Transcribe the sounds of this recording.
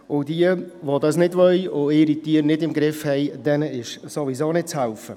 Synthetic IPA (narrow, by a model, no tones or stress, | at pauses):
ʊdiəʋodɑsnɪdʋœjʊɪɾitiəɾnɪdɪmɡɾɪfhɛjd̥ɛnəɪʃsovisoːnɪt̚t͡shɛælfə